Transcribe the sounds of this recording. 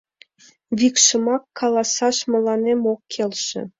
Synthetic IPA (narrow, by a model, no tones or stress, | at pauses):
βikʃə̆mɑkʰːɑlɑsɑʃmə̆lɑnemokːʰelʃḛ̆